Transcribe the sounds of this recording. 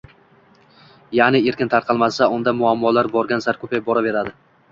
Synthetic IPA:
janɪe̞ɾkʲɪnt̪ʰaɾqʰɑlˠmasaʊnd̪amʊamːɒlaɾbɒɾɡʲansaɾkʰɵpajbɒɾave̞ɾad̪ɪ

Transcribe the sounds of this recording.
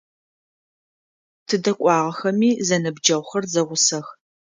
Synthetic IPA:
tʰɨdɐkʷʼɑːʁɐxɐmiːzɐnɐbd͡ʒɐwʷxɐrzɐʁʷʊsɐx

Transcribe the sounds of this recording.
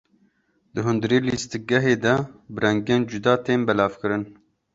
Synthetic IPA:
d̪ɨɦʊnd̪ɨɾeːlist̪ɨɡɛɦeːd̪ɛbɨɾɛŋɡeːnd͡ʒud̪ɑːt̪eːnbɛlɑːvkɨɾɨn

